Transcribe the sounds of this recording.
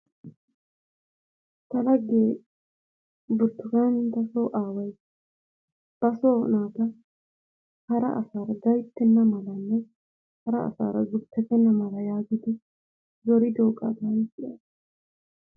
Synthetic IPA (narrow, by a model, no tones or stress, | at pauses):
t̪ɐlɐɡeː | bʊɾt̪ːʊɡanɪnt̪ɐsoːʔaːwɐj | b̥ɐsoːnaːt̪ɐ | hɐɾɐ̰ʔɐ̰saːɾɐɡɐjt̪ːɛnːɐmɐlɐnːɛ | hɐɾɐɐ̰sa̰ːɾɐzʊpʰːɛt̪ːɛnːɐmɐlɐjaːɡɪd̪ɪ | zɔɾɪd̪oːkʼɐ̰b̪ɐjsɪja